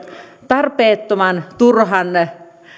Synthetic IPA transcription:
t̪ɑrpeːt̪ːomɑnt̪urɦɑn

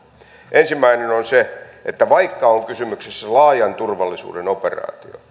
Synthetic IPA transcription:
ʔensimːæinenonseʔet̪ːæʋɑikːɑoŋkysymyksesːælɑːjɑnt̪urʋɑlːisṵːdenoperɑ̰ːt̪io̰

